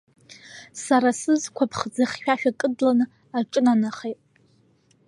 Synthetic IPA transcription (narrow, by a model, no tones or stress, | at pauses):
saɾasɨzkʷʰapʰχd͡zaχʲːᶣaʃᶣakʼɨdlanɨ | aʈ͡ʂʼɨnanaχejtʼ